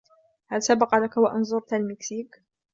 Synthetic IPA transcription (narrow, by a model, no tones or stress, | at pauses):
halsabɑqɑlakawaʔɑnzˤʊɾˤt̪almɪksiːk